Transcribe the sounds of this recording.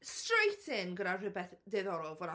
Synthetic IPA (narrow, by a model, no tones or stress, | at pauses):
strejtʰɪnɡədarɪbɛθdeðɔɾɔvɔna